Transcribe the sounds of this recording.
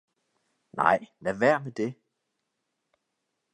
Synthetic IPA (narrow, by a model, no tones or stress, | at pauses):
nɑ̰̈ɪ̰læʋæɐ̰med̥e̝